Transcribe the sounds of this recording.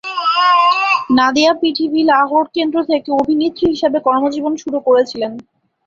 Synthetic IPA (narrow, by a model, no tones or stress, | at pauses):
nad̪iapiʈʰibilaɦoʈkend̪ɾot̪ʰekeobʱinit̪ːɾiɦiʃebekɔɾmod͡ʑibonʃuɾukoɾet͡ɕʰilen